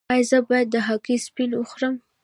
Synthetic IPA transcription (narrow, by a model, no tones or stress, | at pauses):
ɑjzəbɑjad̪ːəɦɑkispinʊxɾəm